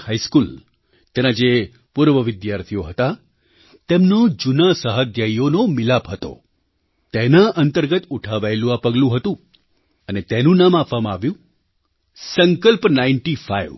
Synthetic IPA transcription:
hajskul | t̪enad͡ʒe | puɾʋəʋɪd̪jaɾt̪ʰioɦət̪a | t̪emnod͡ʒunasəɦəd̪jaionomɪlapɦət̪o̰ | t̪enaʔənt̪əɾɡət̪uʈʰaʋaelũapəɡlũɦət̪ũ | ənet̪enũnamapʋamãaʋjũ | səŋkəlpnaiɳʈifaiʋ

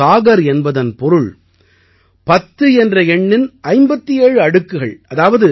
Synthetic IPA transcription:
aːɣɐɾɛnbɐðɐnpɔɾɯɭ | pɐt̪ːɯɛndrɐɛɳːɪnʔɐɪmbɐt̪ːijeːɻɯɐɽɯkːɯɣɐɭʔɐðaːʋɐðɯ

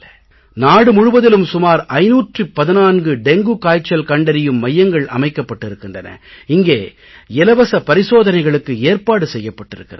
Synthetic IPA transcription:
naːɽɯmʊɻɯʋɐðɪlɯmsʊmaːɾɐɪnuːʈripːɐðɪnaːnɡɯɖɛŋɡɯkaːjt͡ʃːɐlkɐɳɖɐɾɪjɯmːɐjːɐŋɡɐɭʔɐ̰mɐɪkːɐpːɐʈːɪɾɯkːɪndrɐnɐ̰ɪŋɡeː | ɛlɐʋɐsɐpɐɾɪsoːðɐnɐɪɣɐɭɯkːɯeːɾpaːɽɯsɛjːɐpːɐʈːɪɾɯkːɪrɐ

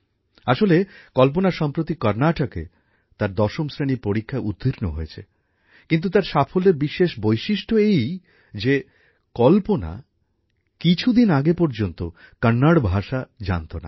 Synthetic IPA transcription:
aʃolekɔlponaʃɔmpɾot̪ikɔɾnaʈakḛ | t̪aɾd̪ɔʃomsɾeniɾpoɾikʰːaud̪ʱːiɾnoɦojet͡ɕʰḛ | kint̪̬ut̪aɾʃafʰoleɾbiʃeʃbojʃiʃʈʰoej | d͡ʑe | kɔlpona̰ | kit͡ɕʰud̪inaɡepɔɾd͡ʑont̪o | kanːaɽbʱaʃad͡ʑa̰nt̪ona̰

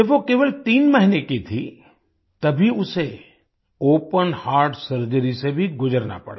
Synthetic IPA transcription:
d͡ʒɐbʋokeːʋəlt̪iːnməɦinekit̪ʰi | t̪ɐbʱiʊse | oːpənhaːɾɖsəɾd͡ʒəɾisebʱiɡʊd͡ʒəɾna̰pɐ̰ɽa̰

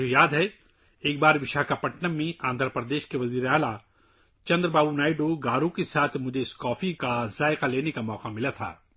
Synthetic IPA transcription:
ejaːd̪ɦɛ | eːk̚baːɾʋɪʃaːkapɐʈnəmːẽãːnd̪ʱəɾpɾəd̪eːʃkeʋɐziːɾeaːla | t͡ʃɐ̃nd̪ɾbaːbunaːɪɖoɡaːɾukesaːt̪ʰmʊd͡ʒʱeɪskɔːfikazaːɪqaleːnekamɔːqamɪlat̪ʰa̰ː

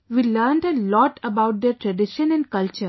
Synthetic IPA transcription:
ʋiːləɾɳɖəlɔːʈʰəbaʊʈ̚d̪eɾʈɾɛɖɪʃə̃nɛ̃ɳɖkʌlt͡ʃəɾ

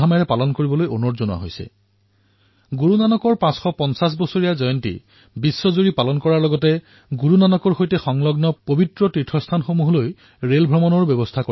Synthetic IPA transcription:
amajɹɛpalɔnkoɹibɔlojonɔtzonwa̰ɦojsɛ̰ | ɡuɹunanɔkɔɹpãsxɔpɔnsas̬bɔsoɹijazɔjɔntḭ | bisːɔzuɹipalɔnkɔɹaɹlɔɡɔtɛ | ɡuɹunanɔkɔɹxojtɛxɔŋlɔɡnɔpobitɹɔtɹitʰːɔstʰanxomuɦɔloj | ɹelbʱɹɔmɔnɔɹbjɔbɔstʰako

